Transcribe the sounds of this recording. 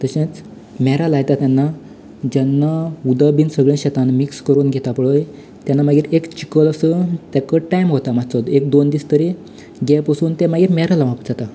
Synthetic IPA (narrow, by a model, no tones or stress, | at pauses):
t̪əɕẽt͡s | mɛɾalajt̪at̪janːa | d͡ʑɛnːaud̪abiːnsəɡɭẽɕɛt̪anmikskəɾuːnɡʱet̪apəɭəj | t̪janːamaɡiːɾekt͡ɕi̥kələsət̪jakəʈajmɦot̪amat͡sod̪ekd̪ond̪iːst̪əɾi | ɡɛpəsuːnt̪emaɡiːɾmɛɾalaʋapd͡zat̪a